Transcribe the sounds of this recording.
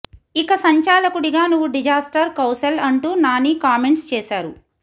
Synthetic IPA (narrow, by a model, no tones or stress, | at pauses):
ikɐsɐɲt͡ʃaːlɐkuɽiɡaːnuʋːuɖid͡ʒaːsʈɐɾkɐwsɐlɐɳʈuːnaːnikaːmeɳʈst͡ʃɛːsaːɾu